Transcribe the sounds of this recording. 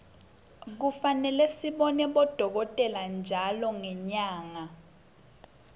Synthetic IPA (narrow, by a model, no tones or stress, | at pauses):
k̬ufanɛlɛsiɓɔnɛɓɔd̥ʱɔk̬ɔtʼɛland͡ʒʱalɔŋɛɲaːŋa